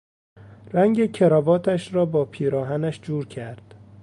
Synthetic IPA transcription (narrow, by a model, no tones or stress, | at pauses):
ræŋɟecʰeɾɒːbɒːt̪ʰæʃɾɒːbɒːpʰiːɾɒːɦænæʃd͡ʒuːɾcʰæɾd̪̥